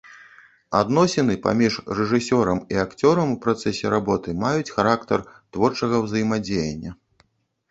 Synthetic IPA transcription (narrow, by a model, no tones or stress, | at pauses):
a̰d̪nɔsʲɛnɨpa̰mʲiʂrɛʐɨsʲɔɾɐmiakt͡sʲɔɾɐmupɾat̪sɛsʲɛɾabɔt̪ɨmajut͡sʲxaɾakt̪ɐrt̪vɔrt͡ʂɐɣɐwzɐjimad͡zʲejɐ̰nʲːɐ